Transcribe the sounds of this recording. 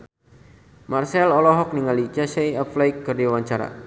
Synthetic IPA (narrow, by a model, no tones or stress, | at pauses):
marsɛlɔlɔɦɔk̚niŋalit͡ʃasɛjaflajk̚ːərdiwaɲt͡ʃaɾa̰